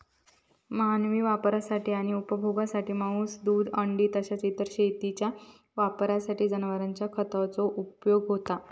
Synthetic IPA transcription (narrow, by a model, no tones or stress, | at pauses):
məɦanʋiːʋapɾasaʈʰiːaɽ̃iupəbʱoɡasaʈiːmauːsd̪uːd̪əɳɖiːt̪əɕat͡sit̪əɾɕejt̪it͡ɕja | ʋapɾasaʈiːd͡zənəʋəɾaɲt͡ɕjakʰət̪aʋt͡soʔupjoɡɦot̪a